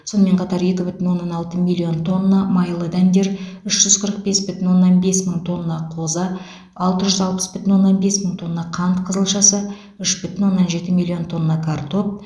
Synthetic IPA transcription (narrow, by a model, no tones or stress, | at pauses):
so̞nəme̞ɴqʰɑt̪ɑɾje̞kʲɪbʏt̪ɪnwo̞nːɑnɑlˠt̪əmilʲˠːio̞nt̪ʰo̞nːɑmɑjlˠəd̪ænd̪e̞ɾʏʃʒ̥ʏz̥qʰəɾəq̚be̞sbʏt̪ɪnwo̞nːɑnbe̞sməɴt̪ʰo̞nːɑqʰo̞zɑ | ɑlˠt̪əʒʏzɑlˠpə̥sb̥ʏt̪ɪnwo̞nːɑnbe̞sməɴt̪ʰo̞nːɑqʰɑnt̪qʰəzəlˠʃɑsə | ʏʃb̥ʏt̪ɪnwo̞nːɑnʒe̞t̪ɪmilʲˠːijo̞nt̪ʰo̞nːɑkʰart̪o̞p̚